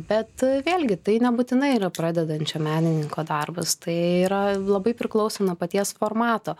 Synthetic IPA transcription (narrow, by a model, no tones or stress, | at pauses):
bʲɛt̪ʋʲeːlʲɡʲɪt̪ɐɪnʲɛbut̪ʲɪnɐɪiɾɐpɾɑːd̪ʲɛd̪ɐnʲt͡ʃʲɛmʲæːnʲɪnʲɪŋkoːd̪ɐrbɐst̪ɐɪiɾɐlˠɐbɐɪpʲɾʲɪklˠɐʊsʲoːnɐpɐt̪ʲiɛsfoːrmɑːt̪oː